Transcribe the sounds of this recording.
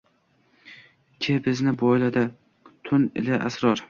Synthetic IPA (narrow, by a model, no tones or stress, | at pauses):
kʲʰebɪznɪbɒjlad̪a | t̪ʰʊnɪ̰laʔa̰sɾɒɾ